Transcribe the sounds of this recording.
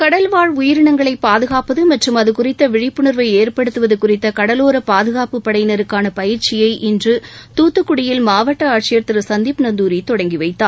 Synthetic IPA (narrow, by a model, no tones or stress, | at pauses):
kɐɽɐlʋaːɻʊjɪɾɪɳɐŋɡɐɭɐɪpːaːðɯɣaːpɐðɯmɐʈrɯmɐðɯkʊrɪt̪ːɐʋɪɻɪpːɯɳɯɾʋɐɪeːrpɐɽɯt̪ːɯʋɐðɯkʊrɪt̪ːɐkɐɽɐloːɾɐpaːðɯɣaːpɯpːɐɽɐjɪnɐɾɯkːaːnɐpɐjɪɾt͡ʃɪjɐɪʔɪndrɯt̪uːt̪ːɯkːʊɽɪjɪlmaːʋɐʈːɐaːʈ̚t͡ʃɪjɐɾt̪ːɪɾɯsɐnd̪ipnɐnd̪uːɾit̪ɔɽɐŋɡiʋɐɪt̪ːaː